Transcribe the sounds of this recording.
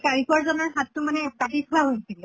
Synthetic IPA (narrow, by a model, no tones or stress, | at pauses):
kaɹikuaɹzɔnɔɹɦatːʊmanɛpatikʰuaɦojsilɛ